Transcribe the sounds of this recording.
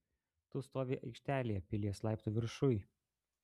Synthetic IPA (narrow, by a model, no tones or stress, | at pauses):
t̪ʊst̪oːʋʲiːʔɐɪkʃʲt̪ʲæːlʲɪjɛpʲɪlʲiɛslˠɑˑɪpt̪uːʋʲɪɾʃʊj